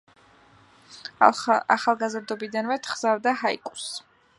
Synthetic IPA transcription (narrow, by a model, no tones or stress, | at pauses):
a̰χalˠɡazɾd̪ɔbid̪anmɛt̪ʰχz̥avd̪aɦaḭkʼu̥s